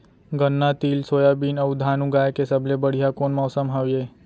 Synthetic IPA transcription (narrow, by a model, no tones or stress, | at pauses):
ɡənːat̪iːlsoːjabiːnəʋd̪ʱaːnũɡaːjkesəblebəɽ̤ijakoːnmɔːsəmɦaʋjeː